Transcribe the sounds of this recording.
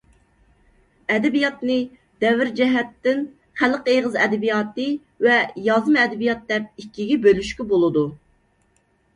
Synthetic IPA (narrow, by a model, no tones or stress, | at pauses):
ɛd̪ɪbijɑt̪nɨ | d̪̥ɛvɪɾd͡ʒɛɦɛt̪ːɪn | χælqeʁəzɛd̪ɪbijɑːt̪ɨ | vɛjɑzmɛd̪ɪbijɑt̪̚d̪ɛp̚ikʲːiɡʲɛbølyʃkʲybolˠɨd̪u